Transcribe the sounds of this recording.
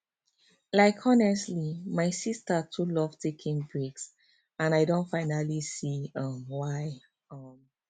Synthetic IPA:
laɪkʰɔnɛstlimaɪsistətʰulɔv̥tʰekʰĩŋbɹeks | ãnaɪdõntfaɪnalisiʌmwaɪ | ʌm

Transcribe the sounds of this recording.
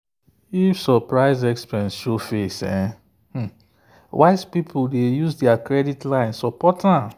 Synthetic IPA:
ifsɔpɹaɪzɛkspɛ̃nsʃofesɛ̰̃ | h̩ | waɪspipʰuldejuzdɛakɹɛditlãɪ̃nsɔpɔtʰã

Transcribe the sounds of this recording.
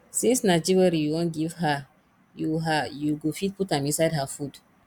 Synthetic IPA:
sĩnsnad͡ʒiɹɛɾijuwɔ̃nɡiv̥ha | juwɦajuɡofit̚putãmĩsaɪdɦafud̥

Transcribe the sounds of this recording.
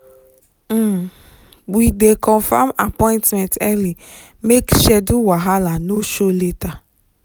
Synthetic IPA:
widekʰɔ̃famapɔ̃ĩntmɛ̃ntɛli | mekʃɛduwaɦalanoʃoleta

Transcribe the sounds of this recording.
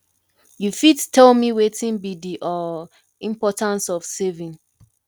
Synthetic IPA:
jufidtʰɛlmiwetĩnbidiʔɔ | ĩmpɔtãnsɔfsevĩn

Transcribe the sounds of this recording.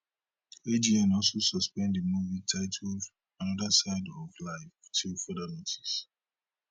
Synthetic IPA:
ed͡ʒiɛ̃nɔlˠsosɔspɛ̃ndəmuvitʰaɪtʰl | ãnɔdəsaɪdɔvlaɪftʰilfədɛlitʰi̥s

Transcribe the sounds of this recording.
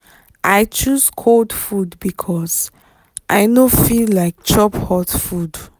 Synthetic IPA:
ʔaɪt͡ʃuzkʰoldfudbikʰɔsz | ʔaɪnofillaɪk̚t͡ʃɔphɔtfud

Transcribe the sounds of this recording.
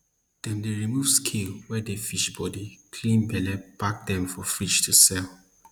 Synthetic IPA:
d̥ɛ̃ndeɹimuvskʰelwɛdefiʃbɔdikʰlĩnbɛlɛb̥ak̚dɛ̃mfɔfɹiʃtʰusɛl

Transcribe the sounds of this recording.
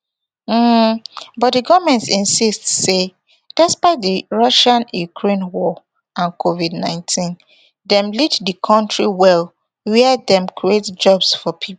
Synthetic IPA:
m̩ | bɔt̚diɡɔvmɛ̃ntsĩnsistse | d̥ɛspaɪt̚diɹɔʃãnjukʰɹẽnwɔ | ãnkʰovidnãɪ̃ntʰĩn | dɛ̃mliddikʰɔ̃ntʰɹiwɛl | wɛɛdɛ̃mkʰɹietd͡ʒɔbsfɔpʰip

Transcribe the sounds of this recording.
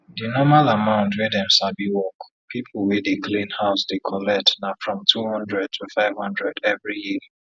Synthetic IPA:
dinɔmalamãʊ̃ntwedɛ̃msabiwɔk | pʰipʰl̩wɛdekʰlĩnhaʊsdekʰɔlɛtnafɹɔ̃mtʰuhɔ̃ndɹɛd̚tʰufaɪv̥hɔ̃ndɹɛdɛvɹiji

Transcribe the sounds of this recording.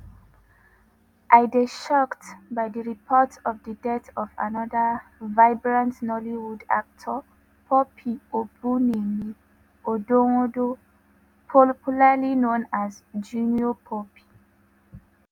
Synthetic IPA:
ʔajdeʃɔktbajdəɹipʰɔtɔvdədɛtɔva̰nɔdavaɪbɹãntnɔliwuda̰k̚tʰɔ | pʰɔpʰiobunemi | odoŋodo | pʰɔpulalinõnazd͡ʒuniopʰɔpʰi̥

